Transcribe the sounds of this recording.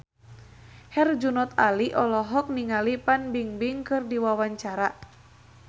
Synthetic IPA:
hɛrd͡ʒunɔt̪aliʔɔlɔɦɔk̚niŋalipanbiŋbiŋkɨrdiwawaɲt͡ʃaɾa

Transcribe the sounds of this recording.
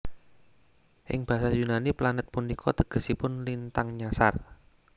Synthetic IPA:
ʔɪ̰ŋb̥a̤sajunaniplanət̪̚punikʰɔt̪əɡ̥ə̤sipʊnlint̪aŋɲasa̰r

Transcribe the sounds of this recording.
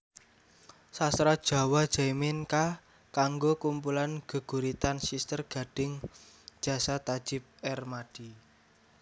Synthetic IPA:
sast̪ɾad̥ʒ̥a̤wad̥ʒ̥amɪnka | kaŋɡokumpulanɡ̥ə̤ɡ̥ṳɾit̪ansist̪ərɡ̥a̤ɖ̥ɪŋ̥ | ʒ̥a̤sat̪ḁʒ̥ɪp̚ɛrmaɖ̥i̤

